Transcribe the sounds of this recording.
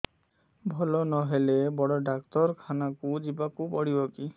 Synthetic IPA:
bʱɔlɔnɔɦelɛbɔɽɔɖak̚tɔɹkʰanakʊzibakupɔɽibɔki

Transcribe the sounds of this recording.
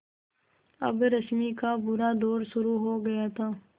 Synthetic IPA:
ɐ̰bɾɐsmikabʊɾad̪ɔːɾʃʊɾuɦoɡɐjat̪ʰaː

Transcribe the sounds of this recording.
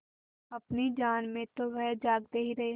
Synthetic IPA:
ɐpnid͡ʒaːnmẽt̪oʋɛd͡ʒaːɡ̚d̪eːɦiɾɐɦe

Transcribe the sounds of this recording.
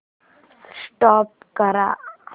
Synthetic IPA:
sʈaːp̚kəɾa̰

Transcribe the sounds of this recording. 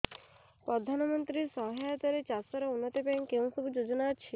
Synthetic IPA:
pɾɔd̪ʱanɔmɔnt̪ɾisɔɦajat̪aɾet͡ʃasɔɾɔunːɔt̪ɔpaŋkeũsɔbud͡ʒod͡ʒɔnaːt͡ʃʰi

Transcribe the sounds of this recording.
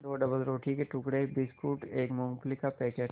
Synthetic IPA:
ɾoːɖɐbəlɾoːʈʰikeʈʊkɽebiskuːʈeːkmõːŋplikapɛːkeːʈ

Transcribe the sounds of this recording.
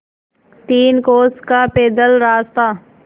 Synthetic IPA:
t̪iːnkoːskapeːd̪əlɾaːst̪aː

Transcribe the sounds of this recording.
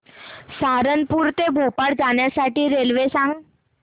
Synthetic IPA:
saɾənpuɾt̪ebʱopaɽd͡zaɳjasaʈiːɾelʋesãŋɡ

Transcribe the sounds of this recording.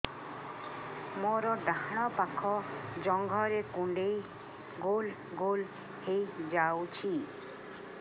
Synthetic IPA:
moɾɔɖaɦɽ̃ɔpakʰɔd͡ʒɔŋɡʱɔɾekuɳɖej | ɡol | ɡol | hejd͡ʒawt͡ʃʰi

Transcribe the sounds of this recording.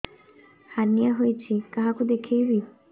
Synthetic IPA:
haɾnijaɦojt͡ɕʰikaɦakud̪ekʰejbi

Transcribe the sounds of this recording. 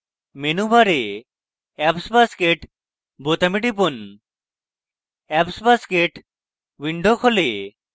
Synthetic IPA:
menubʱaɾe | ɛpsbaskeʈ | bot̪amiʈipon | ɛpsbaskeʈ | wiɳɖʱokʰole

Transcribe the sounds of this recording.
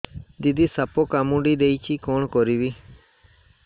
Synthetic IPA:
d̪id̪iːsəpoːkamũɖiːd̪eːiːt͡ʃiːkoːɳkoːɾiːʋiː

